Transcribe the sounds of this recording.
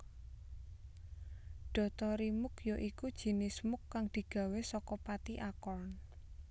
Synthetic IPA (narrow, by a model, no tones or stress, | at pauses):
ɖ̥ɔ̤t̪ɔɾimʊkjoʔikud̥ʒ̥i̤nismʊkːaŋd̪̥i̤ɡ̥ä̤wesɔkɔpat̪iʔakɔn